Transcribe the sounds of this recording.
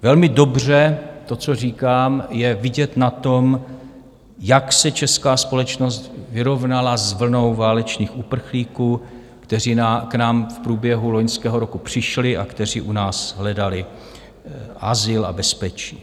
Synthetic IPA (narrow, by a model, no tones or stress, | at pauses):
vɛlmɪdo̞br̝ɛt̪o̞t͡so̞riːkaːmjɛvɪɟɛt̪nat̪o̞m | jaksɛt͡ʃɛskaːspo̞lɛt͡ʃno̞st̪vɪɾo̞vnalazvl̩no̞wvaːlɛt͡ʃniːxupr̩xliːkuː | kt̪ɛriːnaknaːmfpɾuːbjɛɦulo̞ɲskɛːɦo̞ɾo̞kupr̝̥ɪʃlɪʔa̰kt̪ɛr̝iːʔunaːsɦlɛdalɪ | ʔazɪla̰bɛspɛt͡ʃiː